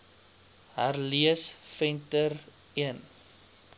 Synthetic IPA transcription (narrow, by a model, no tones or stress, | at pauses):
ɦarliəsfɛntər | iən